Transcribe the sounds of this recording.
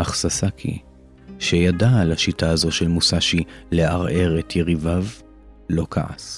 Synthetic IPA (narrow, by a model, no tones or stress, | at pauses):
aχsasakʰḭ | ʃejadalaʃitaazo̞ʃelmusaʃile̞aʁe̞ʁet̪jeʁivav | lo̞kʰa̰ʔa̰s